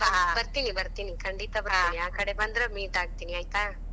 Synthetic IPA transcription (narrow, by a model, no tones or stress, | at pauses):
baɦbɐɾt̪inibɐɾt̪inikɐɳɖit̪ɐbɐɐiiaːkɐɽebɐnd̪ɾɐmiːʈaːɡ̚t̪iniajt̪a